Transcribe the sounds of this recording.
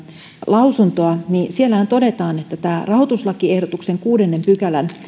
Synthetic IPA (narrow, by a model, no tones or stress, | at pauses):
lʔɑusunt̪oɑnisielːæhænt̪odet̪ɑːnet̪ːæt̪æːrɑhot̪uslɑkiehdot̪ukseŋkuːdenːempykælæn